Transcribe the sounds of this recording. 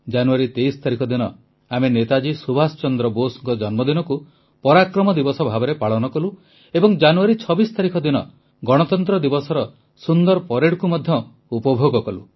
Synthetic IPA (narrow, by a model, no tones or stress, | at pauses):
d͡ʒanuaɾit̪ejsɔ̥t̪aɾikʰɔd̪inɔ | amenet̪ad͡ʒisubʱasɔ̥t͡ʃɔnd̪ɾɔbosŋkɔd͡ʒɔnmɔd̪inɔku | pɔɾakɾɔmɔd̪ibɔsɔbʱabɔɾepaɭɔnɔkɔlu | ebɔŋd͡ʒanuaɾit͡ʃʰɔbist̪aɾikʰɔd̪inɔ | ɡɔɽ̃ɔt̪ɔnt̪ɾɔd̪ibɔsɔɾɔ | sund̪ɔɾpɔɾeɽkumɔd̪ʱjɔ | upɔbʱoɡɔkɔlṵ